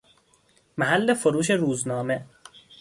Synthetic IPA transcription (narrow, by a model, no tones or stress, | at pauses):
mæɦalːefoɾuːʃ̬eɾuːznɒːme